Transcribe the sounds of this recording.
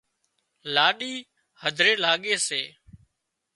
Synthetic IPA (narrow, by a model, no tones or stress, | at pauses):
laːɗiː | həd̪ʱɾeːlaːɠeːseː